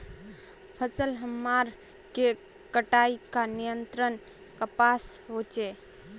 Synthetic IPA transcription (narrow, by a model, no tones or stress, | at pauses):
pʰəsəlɦəmːaɾ | ke | kəʈaikanijənt̪ɾən | kəpasɦot͡ʃe